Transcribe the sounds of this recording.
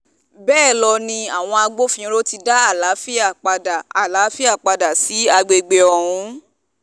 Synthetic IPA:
bɛː˦˨lɔ˧nĩ˧a˨w̃ɔ̃˧a˧ɡ͡bo˦fĩ˦ɾo˦ti˧da˦a˦˨la˨˦fi˦a˦˨k͡pa˧da˨a˦˨la˨˦fi˦a˦˨k͡pa˧da˨si˨˦a˧ɡ͡be˧ɡ͡be˧ɔ˧˨ɾ̃ũ˧

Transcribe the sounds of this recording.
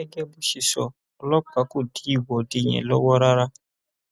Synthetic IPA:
ɛ˦ɡɛ˦bu˦ʃi˨sɔ˨ | lɔ˦ka˨ku˦˨di˦˨wɔ˨di˨ɲɛ̰̃˨lɔ˦wɔ˦ɾa˦ɾa˦

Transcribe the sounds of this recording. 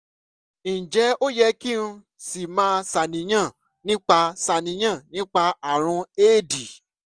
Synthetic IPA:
i˨d͡ʒɛ˨˦o˦jɛ˧˦ki˦nũ˧ | si˨mãː˦sa˨nĩ˨j̃ã˦˨ | nĩ˦k͡pa˧sa˧nĩ˨˦j̃ã˦˨nĩ˦k͡pa˧a˨ɾ̃ũ˧eː˦˨di˨

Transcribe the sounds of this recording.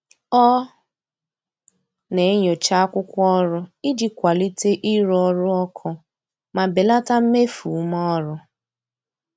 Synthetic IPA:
ɔ˦ | ne˨e˦ɲo˨t͡ʃa˦a˦kʷʊ˦kʷɔ˦ɾʊ˦i˦d͡ʒi˦kʷa˨li˦te˦ʔi˦ɾɔ˦ɾʊ˦ɔ˦kʰɔ˦ | ma˨be˨la˦ta˦m̩˦me˦fu˨˦mɔ˦ɔ˦ɾʊ˦

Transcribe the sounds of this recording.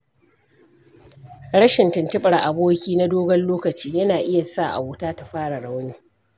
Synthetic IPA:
ɽɐ˦ʃɪ˨ntɪ˨ntɪ˦ɓʼɐ˨ɽʔa˨boː˦kʲiː˦na˦doː˦ɡɐ˦nloː˦kɐ˨t͡ʃiː˦jɐ˦naː˨ʔɪ˦ja˨sa˦˨ʔa̰˨wʊː˦taː˦ta˨ɸaː˦ɽa˨ɽa˦wniː˦

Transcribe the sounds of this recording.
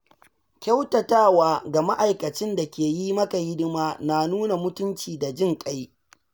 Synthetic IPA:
kʲa˦wtɐ˨taː˦waː˨ɡa˨ma˦ʔa˨jkɐ˨t͡ʃɪ˦nda˨kʲeː˨ji˦mɐ˦ka˨ɡɪ˦dɪ˦maː˦naː˨nuː˦na˨mʊ˦tʊ˦nt͡ʃiː˨da˨d͡ʒɪ˦ŋkʼa˦j

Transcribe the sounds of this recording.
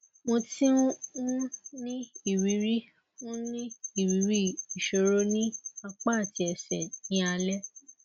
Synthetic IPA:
mõ˧ti˦ũ˦ũ˦nĩ˦i˦˨wi˨˦ɾi˦ | nũ˦nĩ˦i˦˨wi˨˦ɾi˦i˨ʃo˨ɾo˦nĩ˦a˧k͡pa˦˨ti˨˧ɛ˨sɛ˨nĩ˨˦a˧lɛ˦

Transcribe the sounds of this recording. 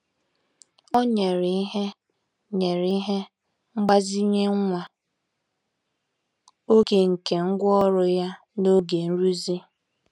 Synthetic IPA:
ɔ˦ɲe˨ɾi˨i˦ɦe˦ | ɲe˨ɾi˦ɦe˦ | ŋ͡m̩˦ɡ͡ba˦zi˦ɲe˦ŋ̩˦ŋʷa˨ | o˦ke˨ŋ̩˨ke˨ŋ̩˦ɡʷɔ˦ɾʊ˨ja˦ | no˦ɡe˨n̩˦ɾu˦zi˦

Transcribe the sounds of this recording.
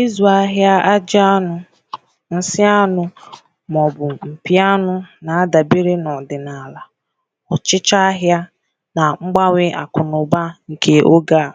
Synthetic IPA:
i˦zu˨a˦ɦja˦a˦d͡ʒɪ˦a˦nʊ˦ | n̩˦sɪ˦a˦nʊ˨ | mɔ˨bʊ˨ŋ͡m̩˨pi˦a˦nʊ˦na˨a˦da˨bi˦ɾe˦nɔ˨dɪ˨na˨la˨ | ɔ˨t͡ʃɪ˦t͡ʃa˦ɦja˦ | na˨ŋ͡m̩˦ɡ͡ba˦ŋʷɪ˦ʔa̰˨kʰʊ˨nʊ˨ba˦ŋ̩˨kʰe˦ʔo˦ɡa˦˨

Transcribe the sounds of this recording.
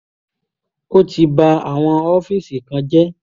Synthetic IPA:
ko˦ti˧ba˧a˨w̃ɔ̃˧ɔ˦fi˦si˨kã˧d͡ʒɛ˦

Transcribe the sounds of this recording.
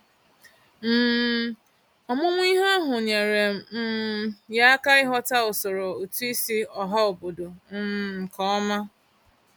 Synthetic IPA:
m̩˦˨ | ɔ˨mʊ˦ŋʷ˦i˦ɦɔ˦ɦʊ˨ɲe˨ɾe˨m̩˨m̩˦ja˦a˦ka˦ɪ˦ɦɔ˦ta˦ʊ˨so˨ɾo˨o˨tu˦i˦si˦ɔ˨ɦa˦o˨bo˨do˨m̩˦˨m̩˨kɔ˦ɔ˦ma˦

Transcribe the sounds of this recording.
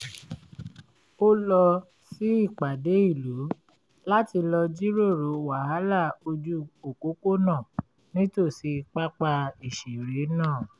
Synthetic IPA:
o˦lɔ˧ | si˦i˦˨k͡pa˨de˨˦i˦˨lo˨˦ | la˦ti˧lɔ˧d͡ʒi˦ɾo˦˨ɾo˨˦wa˨ha˨˦la˦˨o˧d͡ʒu˦o˨ko˨˦ko˦nãː˦˨ | nĩ˦to˦˨si˧k͡pa˦k͡pa˧i˦˨ʃe˨ɾe˨˦nãː˦˨

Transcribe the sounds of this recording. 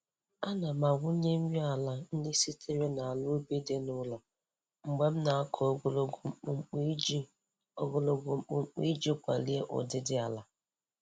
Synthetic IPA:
a˦na˨ma˨ɡʷʊ˦ɲe˦m̩˦ɲi˦a˨la˦n̩˦de˦si˦tʰe˦ɾe˦na˨a˨lʊ˦be˦de˦nʊ˦la˨ | ŋ͡m̩˨ɡ͡be˦m̩˦na˨a˦kʰɔ˨˦ɡlŋ͡m̩˨k͡p | o˦ɡo˨lo˨ɡo˨ŋ͡mk͡po˨ŋ͡m̩˦k͡pḭ˦d͡ʒo˦kʷa̰˨li˦e˦ʔʊ̰˨dɪ˦dɪ˦a˨la˦

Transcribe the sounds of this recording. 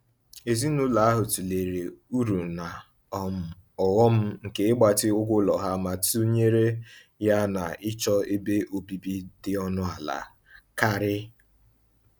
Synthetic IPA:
e˨zi˦nu˦la˨a˦ɦʊ˨tu˨le˨ɾe˨u˦ɾu˨na˨ | ɔ˦m̩˨ɔ˨wɔ˦m̩˦ŋ̩˨ke˦ɪ˦ɡ͡ba˨tɪ˦ʊ˦ɡʷʊ˦lɔ˨ɦa˦ma˨tu˦ɲe˦ɾe˦ | ja˦na˨ɪ˦t͡ʃɔ˦e˦be˦ʔo˨bi˦bi˦dɪ˦ɔ˦nʊ˦a˨la̰˨ | ka˦ɾɪ˦

